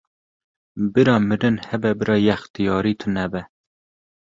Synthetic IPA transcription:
bɨɾɑːmɨɾɨnhɛbɛbɨɾɑːjɛxt̪ijɑːɾiːt̪ʰɨnɛbɛ

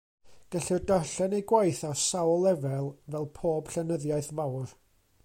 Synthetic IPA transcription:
ɡ̥əɬɪrdaɬɛnejɡwajθasawlˠɛvɛlˠvɛlˠpʰoːb̥ɬɛnəðjaɨjθvawr

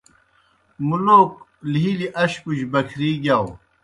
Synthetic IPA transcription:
muloːk̚lɦiliʔɐɕpuɕbɐkʰɾiːɡaw

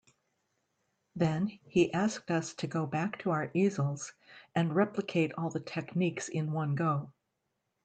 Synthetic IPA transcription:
ðɨ̃niʔæsk̚tʌstʰɨɡoʊbæk̚tʰəaʊə˞ʔizl̩ˠz̥ɨ̃nɹɛpləkʰeɪɾɔlˠðɨtʰɛkniksɪ̃nwʌ̃nɡoʊ

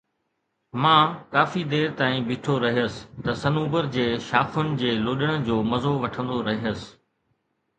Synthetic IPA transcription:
mãːkaːfid̪eːɾt̪aːĩbɪʈʰoɾɐɦijəsɪ̥̆t̪ɐsɐnuːbəɾd͡ʑeːʃaːfʊnɪ̆d͡ʑeːloːɗəɽ̃ə̆d͡ʑoːmɐzoʋɐʈʰə̃nd̪oɾɐɦiəsɪ̥̆

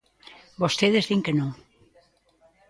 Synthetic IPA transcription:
bost̪eðezðiŋkenõŋ

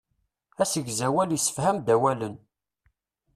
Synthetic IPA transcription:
æsəɡzæwæljəsːə̥fhæmd̪æwælən

